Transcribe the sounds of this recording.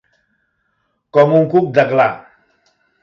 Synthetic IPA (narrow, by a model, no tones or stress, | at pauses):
kɔmuŋkuk̚d̪əkla